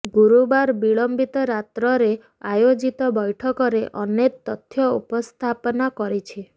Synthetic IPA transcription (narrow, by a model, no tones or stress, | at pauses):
ɡuɾubaɾbiɭɔmbit̪ɔɾat̪ɾɔɾe | ajod͡ʒit̪ɔbɔjʈʰɔkɔɾeʔɔnet̪ːɔt̪ʰjɔupɔst̪ʰapɔnakɔɾit͡ʃʰi